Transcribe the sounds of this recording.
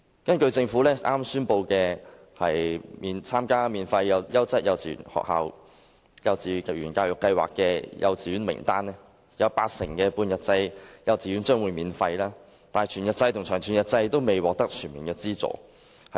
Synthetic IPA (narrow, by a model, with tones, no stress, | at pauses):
kɐ˥nkɵ˧ɥt͡sɪ˧ŋfuː˨˥lɛː˥ʔaː˥msyː˥npo˧wkɛː˧ | hɐ˨˩jmiː˨˧nt͡sʰaː˥mkaː˥miː˨˧nfɐ˧jjɐ˨˧wjɐ˥wt͡sɐ˥t̚jɐ˨˧wt͡sḭː˨˩˨nhɔ̰ː˨k̚ha̰ː˨˧w | jɐ˧wt͡siː˨˧˨jyː˨˩nkaː˧wjʊ˨kːɐ˧jwa̰ː˨kːɛː˧jɐ̰˨˧wt͡siː˨jyː˨˥nmɪ̰˨˩ŋt̪aː˥n˥ | jɐ˨˧wpaː˧k̚sɪ˨˩ŋkɛː˧puː˧njɐ˨t̚t͡sɐ˧jjɐ˨˧wt͡siː˨˩y˨˥nt͡ʃœː˥ŋwuː˨˧jmiː˨˧nfɐ˧jlaː˥ | t̪aː˨n˨t͡ʃʰyː˨˩njɐ˨t̚t͡sɐ˧jt̪ʰʊ˨˩ŋt͡ʃʰœː˨˩ŋt͡ʃʰy˨njɐ˨t̚t͡sɐ˧jt̪o˥wme˨jwɔː˨k̚t̪ɐ˥k̚t͡ʃʰy˨˩nmiː˨˩nkɛː˧t͡siː˥t͡so̰˨˩ | hɐ˨